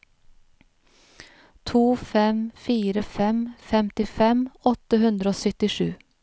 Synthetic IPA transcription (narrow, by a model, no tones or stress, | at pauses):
t̪ʰuːfɛmfiːɾəfɛmfɛmt̪ɪfɛmɔt̪əhʉnd̪ɾəoːsœt̪ɪʃʉː